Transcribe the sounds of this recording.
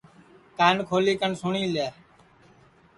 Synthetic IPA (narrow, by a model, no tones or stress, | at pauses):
kaːnkʰoːliːkəɳsʊɳĩːleː